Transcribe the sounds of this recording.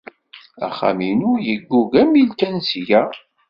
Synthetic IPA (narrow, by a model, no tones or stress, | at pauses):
æ̰χa̰minʊjəɡːuɡæmilkænsjæ